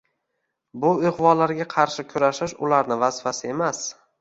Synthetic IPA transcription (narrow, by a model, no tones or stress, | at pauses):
bʊɪʁvɒlaɾɡʲaqʰɑɾʃɪkʲʰʊɾaʃɪʃʊlaɾnɪvaz̥fasɪe̞mas